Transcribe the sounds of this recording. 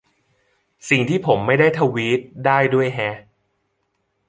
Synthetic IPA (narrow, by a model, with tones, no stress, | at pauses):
si˨˩ŋt̪ʰiː˥˩pʰo˩˦mːa˥˩jdaː˥˩jt̪ʰa˧wiː˦˥t̪̚daː˥˩jdu˥˩əjɦɛ˦˥ʔ